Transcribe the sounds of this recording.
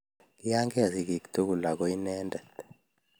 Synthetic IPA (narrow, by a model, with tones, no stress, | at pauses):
ki˦ja˦ŋkɛ˦a˨si˨ki˨kt̪ʰu˦ku˨la˨kɔ˨i˦nɛː˦ndɛ˨t̪